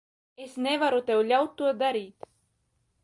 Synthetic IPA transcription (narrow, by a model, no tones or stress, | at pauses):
esnʲɛvaɾut̪ɛwlʲawt̪ːuɔd̪aɾiːt̪